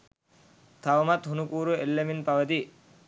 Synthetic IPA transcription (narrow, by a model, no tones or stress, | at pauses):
t̪ʰɐʋɐmɐt̪hunukuːɾuelːeminpɐʋɐt̪i